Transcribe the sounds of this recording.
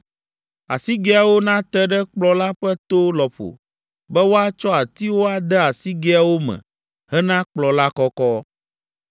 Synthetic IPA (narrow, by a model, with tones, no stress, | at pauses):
a̰˨si˦ɡɛ˦a˨wo˦nã˦t̪ɛ˦ɖɛ˦k͡plɔ˦la˦ɸɛ˦t̪o˦lɔ˨ɸo̰˨ | bɛ˦wo˦a˦t͡ʃɔ˦a˨t̪i˦wo˦a˦d̪ɛ˦a˨si˦ɡɛ˦a˨wo˦mɛ̰̃˨ | ɦɛ˦nã˦k͡plɔ˨la˦kɔ˦kɔ˦